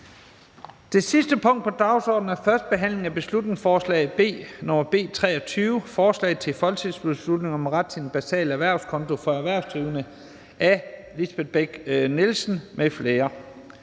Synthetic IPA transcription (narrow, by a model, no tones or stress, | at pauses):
d̥e̝sisd̥əpʰɔ̽ŋ̰d̥̚pʰɒ̽d̥ɑ̈ʊsɒ̰ːd̥n̩æɐfɶɐsd̥̚b̥e̝ɦæn̰le̝ŋæb̥e̝slud̥ne̝ŋsfɒːslɛ̰ɪb̥e̝̰ːnɒmɐb̥e̝̰ːt͡sʰʁɛ̰ːɒ̽t͡sʰyːʊəfɒːslɛ̰ɪð̩ˠt͡sʰe̝fɒ̽lt͡sʰið̰ˠsb̥eslud̥ne̝ŋɒ̽mʁɑd̥sʰenb̥æsɛ̰ːlæʋæɐ̰ʊskʰɒ̽nt͡sʰo̝fɒ̽æʋæɐ̰ʊsd̥ʁiːʊnə | æ | lisb̥e̝d̥̚ˠb̥eɡ̥nelsn̩mʔefle̝ːɐ